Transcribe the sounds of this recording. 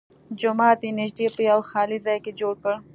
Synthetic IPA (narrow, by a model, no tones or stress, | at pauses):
d͡ʒʊmɑːt̪jenɪʒd̪epəjawxɑlizɑjked͡ʒoɽkəɽ